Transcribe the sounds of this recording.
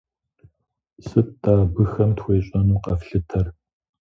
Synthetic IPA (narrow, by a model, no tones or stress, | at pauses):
sɨt̚d̥aːbɨxɐmtxʷeːɕʼɐnuːqɐfɬɨtʰɐr